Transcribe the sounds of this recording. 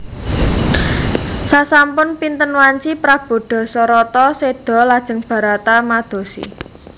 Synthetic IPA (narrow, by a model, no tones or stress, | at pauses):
sasampʊnpint̪ənwaɲt͡ʃipɾab̥o̤ɖ̪̥ɔ̤sɔɾɔt̪ɔsed̪̥ɔ̤lad̥ʒ̥ə̤ŋb̥ä̤ɾat̪amad̪̥o̤sḭ